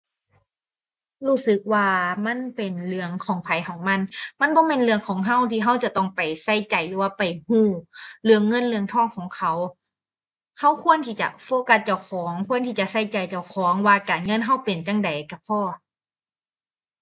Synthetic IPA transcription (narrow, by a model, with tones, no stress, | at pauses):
huː˧˩sɯ˨˦k̚waː˧˩ma˧˥˨npe˨˩nlɯ˧əŋkʰɔː˨˩˦ŋpʰa˨˦jkʰɔː˩˦ŋma˧˥˨nma˧˥˨nbɔː˧˦me˧˨nlɯ˧əŋkʰɔː˨˦ŋɦa˧˥˩wt̪ʰiː˧ɦa˧˥˩wt͡ɕa˨˧˨t̪ɔ˧˩ŋpa˨˩jsa˧˩jt͡ɕa˨˩jlɯː˨˦waː˧˩pa˨˩jhuː˧˥˩lɯ˧əŋːɤ˧˥˨nlɯ˧əŋt̪ʰɔː˧˥˩ŋkʰɔː˩˦ŋkʰa˧˩w | ha˧˥˩wkʰu˧˥ənt̪ʰiː˧t͡ɕa̰˧˩ʔfoː˧˦ka˧˥t̪̚t͡ɕa˧˩wkʰɔː˨˩˦ŋkʰu˧˥˨ənt̪ʰiː˧˩t͡ɕa˨ʔsa˧˥˩jt͡ɕa˨˩jt͡ɕa˧˩wkʰɔː˨˦ŋwaː˧˩kaː˨˩nŋɤ˧˥˨nɦa˧˥˩wpe˨nt͡ɕa˧˩ŋda˨˩jka˧˩pʰɔː˧˩